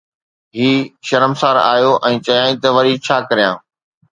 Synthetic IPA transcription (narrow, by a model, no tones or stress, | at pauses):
ɦiːʃɐɾəmsaːɾa̰ːjoʔɛ̃ːt͡ɕɐjãːĩt̪ɐʋɐɾit͡ɕʰaːkɐɾijã̰ː